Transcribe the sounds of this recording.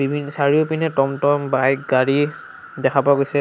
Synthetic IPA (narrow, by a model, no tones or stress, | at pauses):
bibʱinɔsaɹiopinɛtɔmtɔmbajkɡaɹi | dɛkʰapaɡojsɛ